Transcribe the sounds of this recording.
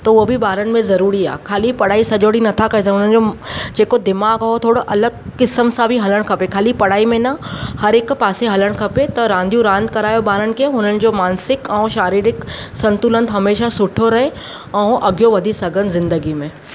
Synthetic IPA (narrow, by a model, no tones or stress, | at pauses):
t̪ɐʋobʱibaːɾənɪ̆mẽzɐɾuːɾia̰ːkʰaːlipɐɽ̤aːisɐd͡ʑoːɽinɐt̪ʰakɐes̬ɦʊnənd͡ʑod͡ʑeːkod̪ɪmaːɡɦot̪ʰoːɽoʔɐləɡ̚kɪsəmsãbʱiɦɐləɽ̃kʰɐpekʰaːlipɐɽ̤aːimẽnɐhɐɾeːkpaːseɦɐləɽ̃kʰɐpet̪ɐɾãːnd̪ʱjũɾãːnd̪kɐɾaːjobaːɾənɪ̆keɦʊn̤ənɪ̆d͡ʑomaːnsɪkɛ̃ːʃaːɾiːɾɪk | sɐ̃nt̪ʊlə̃nt̪ɦɐmeːʃasʊʈʰoɾɐɦe | ɛ̃ːʔɐɡjoʋɐd̪ʱisɐɡənzɪ̃nd̪əɡimẽː